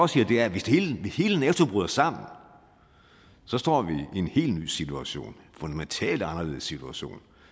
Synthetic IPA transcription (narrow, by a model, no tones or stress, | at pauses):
ɒ̽siːɐd̥e̝æɐʋe̝sd̥ehe̝ːləʋehe̝ːlənæːt͡sʰo̝b̥ʁyðˠɐsɑ̈m̰n̩ | sɒ̽sd̥ɒ̰ːʋienhe̝̰ːldny̰ːsit͡sʰuæɕo̝̰ːnfond̥æment͡sʰɛ̰ːld̥ɑ̈nɐle̝ːð̞ˠsit͡sʰuæɕo̝̰ːn